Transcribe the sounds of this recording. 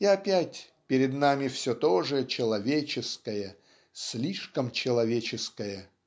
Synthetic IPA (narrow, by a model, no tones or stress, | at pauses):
iɐpʲætʲ | pʲɪɾʲɪd̪namʲɪfsʲot̪oʐɨt͡ɕɪlˠɐvʲet͡ɕɪskəjə | sʲlʲiʂkəmt͡ɕɪlˠɐvʲet͡ɕɪskəjə